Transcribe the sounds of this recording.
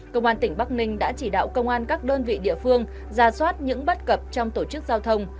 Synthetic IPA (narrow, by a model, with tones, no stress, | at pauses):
kə˧wŋ͡mʔaː˧nt̪ï˧˩ŋ̟ɓa˦˥k̚nï˧ŋ̟ɗa̰ː˧˥t͡ɕi˧˩ɗa̰ː˧˨wkə˧wŋ͡mʔaː˧nkaː˦˥k̚ɗəː˧nvḭ˧˨ɗḭ˧˨əfɨ˧əŋ | zaː˨˧˩swaː˦˥t̚ɲɨ̰˧˥ŋɓə˦˥t̚kə˨˩p̚t͡ɕɔ˧wŋ͡mt̪o˧˩t͡ɕɨ˦˥k̚zaː˧wt̪ʰə˧wŋ͡m